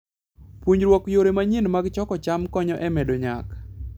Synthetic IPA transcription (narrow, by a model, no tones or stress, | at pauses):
puɲɾwɔkjoɾemaɲinmaɡt͡ʃɔkɔt͡ʃamkɔɲɔʔɛmɛdoɲa̰k